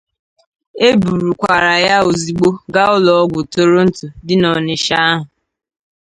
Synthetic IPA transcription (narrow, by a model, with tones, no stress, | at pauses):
e˦bu˨ɾu˨kʷa˨ɾa˨ja˦o˨zi˨ɡ͡bo˦ɡa˦ʊ˦lɔ˨ɔ˦ɡʷʊ˨to˦ɾo˦n̩˦tʊ˨dɪ˦nɔ˨nɪ˨ʃa˦a˦ɦʊ˨